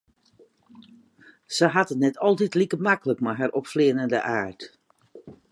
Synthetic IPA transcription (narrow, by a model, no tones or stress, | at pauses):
səɦatənnɛtʰɔlˠtitlikəmakələkmaɦaɾʔɔpflɪənəndə̰ʔaːrt